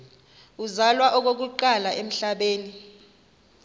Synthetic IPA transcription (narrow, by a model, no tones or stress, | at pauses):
uzalwaʔɔk̬ok̬uǃalaʔem̩ɬaɓeːni